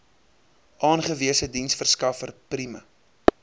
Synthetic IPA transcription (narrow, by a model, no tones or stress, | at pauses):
ʔɑːnχəviəsədinsfərskɐfərprimə̰